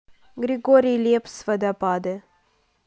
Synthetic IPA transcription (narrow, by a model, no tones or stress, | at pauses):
ɡɾiɡoɾilʲepsvəd̪apad̪e